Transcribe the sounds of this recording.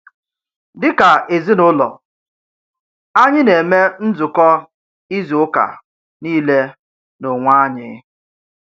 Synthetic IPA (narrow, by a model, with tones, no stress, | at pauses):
dɪ˦ka˨e˨zi˦nʊ˦lɔ̰˨ | a˦ɲɪ˦ne˨me˦n̩˦d͡zʊ˨kɔ˦ | i˦zi˨ʊ˦ka̰˨ | niː˦le˦ | no˨ŋʷa˦ɲɪ̰˦